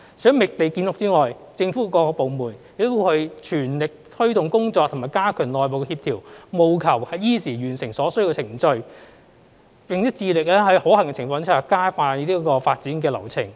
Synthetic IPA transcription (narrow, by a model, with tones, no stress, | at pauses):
sœː˨˥ŋmɪ˨k̚t̪e˨jkiː˧nlʊ˨k̚t͡siː˥ŋɔː˨j | t͡sɪ˧ŋfuː˨˥kːkɔː˧kɔː˧po˨˧wmuː˨˩njɪ˨k̚t̪o˥hɵ˧ɥt͡ʃʰyː˨˩nlɪ˨k̚t̪ʰɵ˥ɥt̪ʊ˨ŋkʊ˥ŋt͡sɔː˧k̚tʰʊ˨˩maː˨jkaː˥kʰœː˨˩nlɔː˨˩jpo˨wkɛ˧hiː˧p̚t̪ʰiː˨˩wmo˨˧wkʰɐ˨˩whɐ˨˧jjiː˥siː˨˩ɥyː˨˩nsɪ˨˩ŋsɔː˨˧˥sɵ˥ɥji˧wkɛ˧t͡sʰɪ˨˩ŋt͡sɵ˧ɥ | pɪ˨ŋjɐ˥t͡siː˧lɪ˨k̚lɛː˥hɐ˨˥jho˨˥hɐ˨˩ŋkɛ˧t͡sʰɪ˨˩ŋfɔː˧ŋt͡sʰɐ˨˩kaː˥jfaː˧i˥t̪iː˥kɔː˧faː˧t̚t͡siː˨˥nkɛː˧lɐ˨˩wt͡sʰɪ˨˩ŋ